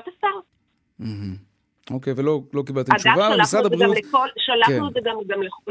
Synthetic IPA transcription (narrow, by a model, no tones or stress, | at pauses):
t̪asaʁ | m̩h̩ | okejvelolo̞kibalt̪iadavʃaalaasad̪aʁiɡaulekolʃalakχnuzeɡamɡamleχ